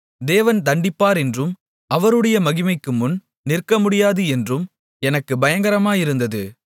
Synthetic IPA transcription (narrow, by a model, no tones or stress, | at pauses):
d̪eːʋɐnt̪ɐɳɖɪpːaːɾɛndrɯm | ɐʋɐɾɯɽɐjɐmɐɣɪmɐɪkːɯmʊn | nɪrkɐmʊɽɪjaːðɯɛndrɯm | ɛnɐkːɯbɐjɐŋɡɐɾɐmaːjɪɾɯnd̪ɐðɯ